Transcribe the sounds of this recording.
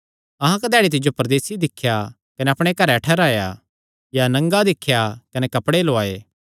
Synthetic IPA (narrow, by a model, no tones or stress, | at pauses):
ɐɦãkɐd̪ɛːɽit̪̬ɪd͡ʒjopɐɾd̪eːsid̪ɪkʰːja | kɐnɛɐpɽ̃ekɐɾɛʈʰɛːɾaːja̰ | janɐ̃ŋɡad̪ɪkʰːjakɐnɛkɐpɽeloaːeː